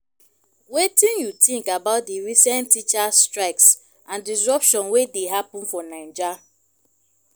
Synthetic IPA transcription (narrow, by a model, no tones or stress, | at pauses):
wetĩnjutĩŋkabaʊt̚diɾisɛ̃ntːit͡ʃastɹaɪks | ãndis̬ɹɔpʃɔ̃nwedeɦapʊ̃n̩fɔnand͡ʒa